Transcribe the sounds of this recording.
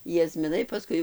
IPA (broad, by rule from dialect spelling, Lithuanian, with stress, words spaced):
jɛzʲmʲɪˈnɐɪ pɐˈskʊɪ